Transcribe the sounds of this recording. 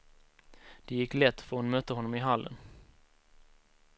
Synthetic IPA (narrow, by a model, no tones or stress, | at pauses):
d̪̥ɛjɪkːlɛt̪ːfœɾhʊnmœt̪ːəɦɔnːɔmɪɦalːə̰n